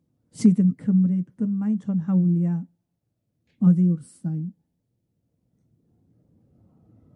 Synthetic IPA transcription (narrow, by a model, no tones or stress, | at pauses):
sɨdənkʰəmrɨdɡəmajntʰɔnɦawlˠja | ɔðiʊrθajn